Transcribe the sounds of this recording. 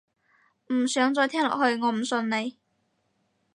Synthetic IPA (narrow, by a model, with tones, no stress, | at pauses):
m̩˨˩sœː˨˥ŋt͡sɔː˧jt̪ʰɛː˥ŋlɔ̰ː˨˩hɵ˧ɥŋɔː˨˧m̩˨˩sɵ˧nne˨˧j